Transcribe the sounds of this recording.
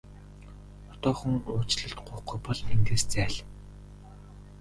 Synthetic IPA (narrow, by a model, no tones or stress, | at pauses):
ɔt̪ɔːχɵ̆ŋʊːt͡ɕɮə̆ɬt̪ɢʊːχɡujpɔɮiŋɡeːst͡sæːɮ